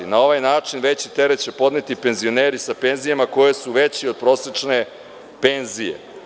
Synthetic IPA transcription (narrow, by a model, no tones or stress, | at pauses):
inao̞ʋajnaːt͡ʂinʋe̞t͡ɕit̪eɾet͡ɕe̞po̞d̪net̪ipe̞nzio̞neːɾisape̞nzijamako̞je̞suʋe̞t͡ɕio̞d̪̚pɾo̞ːset͡ʂne̞ | penzijḛ